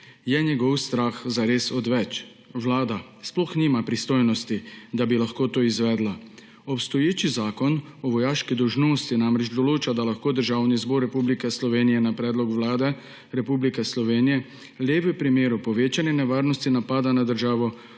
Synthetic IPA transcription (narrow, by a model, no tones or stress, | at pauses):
jɛɲɛɡɔwst̪ɾaːxzaɾeːsɔd̪ʋɛt͡ʃ | ʋlaːd̪a | splɔxniːmapɾist̪oːjnɔst̪id̪abilaxkoːt̪oːizʋɛːd̪la | ɔpst̪ɔjeːt͡ʃizaːkɔnɔʋɔjaːʃkid̪ɔwʒnoːst̪inaːmɾɛt͡ʃd̪ɔloːt͡ʃad̪alaxkoːd̪əɾʒaːwnizbɔɾːɛpublikɛslɔʋeːnijɛnapɾɛːd̪lɔkʋlaːd̪ɛ | ɾɛpublikɛslɔʋeːnijɛ | lʲjeːʋɛpɾimeːɾupɔʋeːt͡ʃanɛnɛʋaːɾnɔst̪inapaːd̪anad̪əɾʒaːʋɔ